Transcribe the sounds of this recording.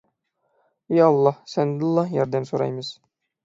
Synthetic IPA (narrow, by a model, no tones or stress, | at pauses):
jɑɑlˠːɑhsænd̪lˠːɑhjɒɾd̪æmsoɾɑ̰jməz̥